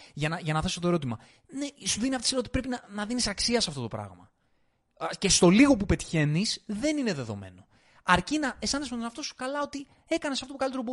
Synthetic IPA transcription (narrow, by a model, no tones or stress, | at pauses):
ʝɐnɐʝɐnɐθe̞sot̪oe̞ɾo̞t̪̬imɐ | nesuðiniɐft̪oisiɾot̪ipɾe̞pinɐnɐðinisɐksiɐsɐft̪o̞t̪o̞pɾɐ̰ɣmɐ̰ | ce̞st̪o̞liɣo̞pupe̞t̪çe̞nisðe̞nine̞ðe̞ðo̞̰me̞̰no̞ | ɐɾcinɐesɐnesmet̪oneɐft̪o̞su̥kɐlɐo̞t̪i | e̞kɐnesɐft̪opukɐlit̪eɾobo